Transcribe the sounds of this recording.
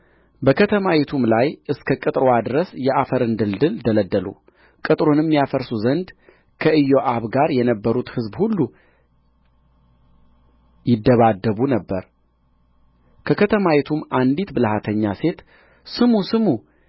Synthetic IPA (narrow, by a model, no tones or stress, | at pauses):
bəkʰət̪ʰəmawet̪ʰumlajɨskʰəkʼɨt̪ʼɾwad̪ɨɾəsjɛʔafəɾɨnd̪ɨld̪ɨld̪ələd̪ːəlṵ | kʼɨt̪ʼɾonɨmːjafəɾsuzənd̪ | kʰəʔɨjoʔaβɡaɾjɛnəbːəɾut̪hɨzbhulːu | jɪd̪ːəβad̪ːəβunəbːəɾ | kʰəkʰət̪ʰəmawet̪ʰumand̪it̪bɨlhat̪ʰəɲːase̞t̪ | sɨmusɨmu